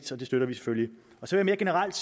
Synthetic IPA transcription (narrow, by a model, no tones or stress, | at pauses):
d̥ɒ̽d̥e̝sd̥øɾ̥ɐʋise̥følji | ɒ̽sɒʋejɐme̝ːɐɡ̥e̝nəʁal̰d̥s